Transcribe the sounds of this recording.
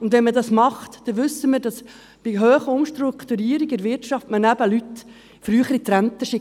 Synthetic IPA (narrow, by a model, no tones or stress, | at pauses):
ʊnd̪ʋɛnmədɑsmɑχt̪d̥ɛʋʏsːəməɾdɑs | b̥iɦøːχəʊmʃtɾukt̪uɾiːəɾiɡɪɾʋɪrtʃɑftmənæbəlyt̪ | fɾyːχəɾit̪ɾænt̪əʃɪ